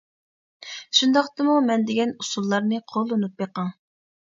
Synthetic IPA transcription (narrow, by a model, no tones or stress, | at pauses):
ʃund̪ɑqt̪ɨmumɛnd̪ɪɡʲɛnusulˠːɑɾnɨqʰolˠːonup̚jeqɑŋ